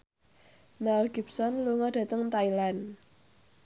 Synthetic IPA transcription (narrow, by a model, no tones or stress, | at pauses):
mɛlɡip̚sɔnluŋɔd̥ä̤t̪əŋt̪ailan